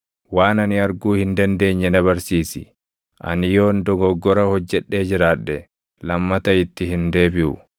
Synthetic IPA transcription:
waːnɐnɪɐɾɡuːhɪnd̪ɐnd̪e̞ːɲːɛnɐβɐɾsiːsɪ | ʔɐ̰nɪjoːnd̪ɔɡɔɡːɔɾɐhɔd͡ʒːɛᶑːe̞ːd͡ʒɪɾaːᶑːɛ | lɐmːɐt̪ɐɪt̪ːɪhɪnd̪e̞ːbɪʔʊ̰

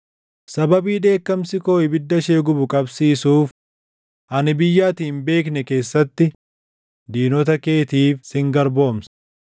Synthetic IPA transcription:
sɐbɐbiːd̪e̞ːkːɐmsɪko̞ːɪbɪd̪ːɐʃeːɡʊbʊkʼɐbsiːsuːf | ʔɐnɪbɪjːaːt̪iːmbe̞ːknɛke̞ːsːɐt̪ːɪ | d̪iːnɔt̪ɐke̞ːt̪iːfsɪŋɡɐɾbo̞ːmsɐ̥

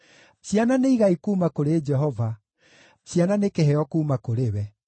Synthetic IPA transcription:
ɕjananeiɣaikuːmakoɾed͡ʒɛɦɔva | ɕjananekeɦɛɔkuːmakoɾewɛ

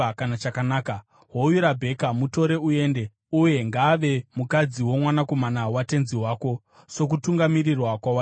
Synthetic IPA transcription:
kanat͡ʃakanaːka | ɦoujuɾabʱe̞kamuto̞ɾe̞ue̞ːnde̞ | uje̞ŋɡaːʋe̞mukad͡ziwo̞mwanako̞manawate̞nziwaːko̞ | so̞k̬utuŋɡamirirwakwawa

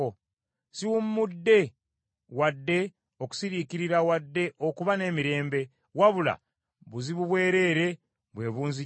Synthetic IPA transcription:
o | siwumːudːe̞ | wadːe̞ | o̞ku̥siɾiːkiɾiɾawadːe̞ʔo̞kuβane̞ːmiɾe̞ːmbe̞ | waβula̰ | βuziβuβwe̞ːɾe̞ːɾe̞ | βwe̞ːβuːnzi

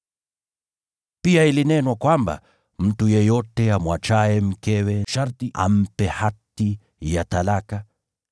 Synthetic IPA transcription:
piailinɛnwakwamba̰ | m̩tujɛjɔtɛamwat͡ʃaɛm̩kɛwɛʃaɾtiʔa̰m̩pɛhati | jatalaka

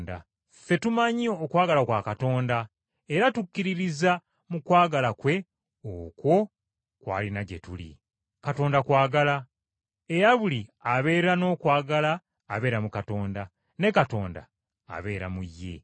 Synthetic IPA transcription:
da̰ | fe̞tumaɲiokwaːɡalakwaːkato̞ːnda | eɾatukːiɾiɾiza | mukwaːɡalakwe̞ | oːkwo̞ | kwa̰ːlinaɟe̞̰tulḭ | kato̞ːndakwaːɡala | e̞ɾaβuliaβe̞ːɾano̞ːkwaːɡalaː | βe̞ːɾamukato̞ːnda | ne̞kato̞ːnda̰ː | βe̞ːɾa̰mujːe̞̰

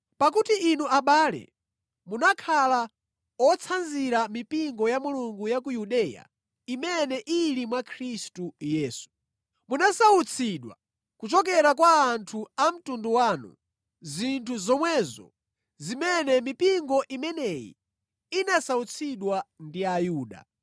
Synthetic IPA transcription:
pakutiʔːnuaɓaːlɛ̰ | munakʰala | ɔt͡sʰanziɾamipiŋɡɔjamuluŋɡujak̬ujuɗɛːja̰ | imɛnɛʔilimwakʰɾistujɛːsu̥ | munasaut͡sʰiɗwa̰ | kut͡ʃɔk̬ɛɾakwaːntʰuam̩tunduwaːnṵ | zintʰuzɔmwɛːzɔ̰ | zimɛnɛmipiŋɡɔʔimɛnɛjḭ | inasaut͡sʰiɗwandiajuːɗa̰

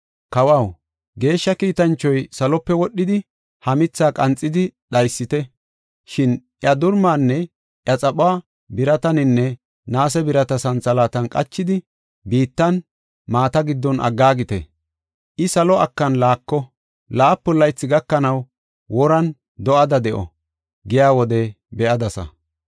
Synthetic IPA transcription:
kɐwɐw | ɡe̞ːʃːɐkiːt̪ɐnt͡ʃːɔjsɐlɔpːɛwɔɗːɪd̪ɪ | hɐmɪt͡sːaːkʼɐnt͡sʼːɪd̪ɪɗɐjsːɪt̪ɛ | ʃɪnʔjɐd̪ʊɾmaːnːɛ | ʔjɐt͡sʼɐɓʊaː | bɪɾɐt̪ɐnɪnːɛ | naːs̬ɛbɪɾɐt̪ɐsɐnt͡sɐlaːt̪ɐnkʼɐt͡ʃːɪd̪ɪ | biːt̪ːɐn | maːt̪ɐɡɪd̪ːɔnʔɐ̰ɡːaːɡɪt̪ɛ̰ | ʔɪsɐlɔɐkːɐnlaːkːɔ | laːpːɔlːɐjt͡sːɪɡɐkːɐnɐw | wɔɾɐn | d̪ɔʔɐd̪ɐd̪ɛʔɔ̰ | ɡɛjaːwɔd̪ɛ | bɛʔɐd̪ɐsɐ̰

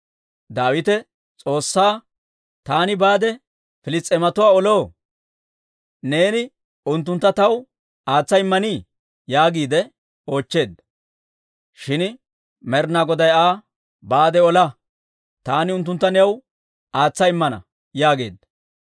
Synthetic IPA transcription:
d̪aːwɪt̪ɛ | t͡sʼo̞ːsːaː | t̪aːnɪbaːd̪ɛ | fɪlɪst͡sʼːɛmɐt̪ʊwaːɔlo̞ː | ne̞ːnɪ | ʊnt̪ːʊnt̪ːɐt̪ɐw | aːt͡sːɐɪmːɐniː | jaːɡiːd̪ɛ | o̞ːt͡ʃːe̞ːd̪ːɐ | ʃɪn | mɛɾnaɡɔd̪ɐjaː | baːd̪ɛɔlɐ | t̪aːnɪʊnt̪ːʊnt̪ːɐnɛjɐw | aːt͡sːɐɪmːɐnɐ̰ | jaːɡe̞̰ːd̪ːɐ

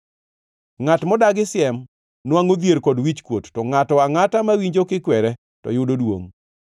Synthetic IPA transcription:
ŋatmɔdaɡɪsɪɛm | nwaŋod̪jeɾkɔdwit͡ʃkwotːɔŋatɔaŋatamawiɲd͡ʒokɪkwɛɾɛ | tɔ̰jʊdodwo̰ŋ

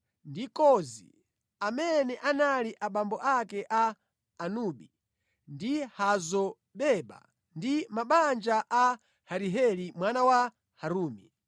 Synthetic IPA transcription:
ndikɔzḭ | amɛnɛʔanaliʔaɓambɔʔakɛʔaː | nuɓi | ndihazɔ | ɓɛɓa̰ | ndimaɓand͡ʒaʔa | haɾiɦɛlimwanawa | haɾuːmi

